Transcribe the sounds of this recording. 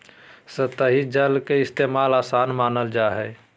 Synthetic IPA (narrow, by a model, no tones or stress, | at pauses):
sət̪əɦid͡ʒəlkeɪst̪emaːlaːsaːnmaːnəld͡ʒaɦɛː